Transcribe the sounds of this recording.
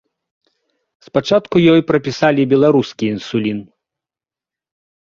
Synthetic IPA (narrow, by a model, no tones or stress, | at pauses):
spat͡ʂat̪kujɔjpɾɐpʲisalʲibʲɛlˠaɾuskʲiːnsulʲin